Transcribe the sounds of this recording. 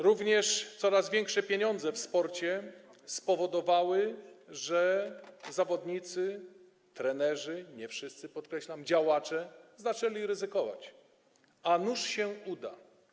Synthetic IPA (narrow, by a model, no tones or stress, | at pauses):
ɾuvɲɛʂt̪sɔɾazvʲjɛŋkʂɛpʲjeɲɔnd̪zɛfspɔɾt͡ɕɛ | spɔvɔd̪ɔvawɘʐɛzavɔd̪ɲit̪sɘ | t̪ɾɛnɛʐɘɲɛfʂɘst̪sɘpɔt̪kɾɛɕlamd͡ʑawat͡ʂɛzat͡ʂɛlʲiɾɘzɘkɔva̰t͡ɕ | anuʂɕɛud̪a̰